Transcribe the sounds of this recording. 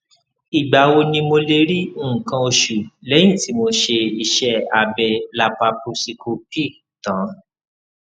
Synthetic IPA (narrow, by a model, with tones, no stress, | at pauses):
i˨ɡ͡ba˨wo˧nĩ˧mo˧le˧ɾĩ˦˨kã˧o˧ʃu˨lɛ˨˦j̃ĩ˦˨ti˨˦mo˧ʃe˧i˧ʃɛ˦a˧bɛ˧la˧pa˧pu˧si˧kʰu˧pi˦˨ | tã˨˦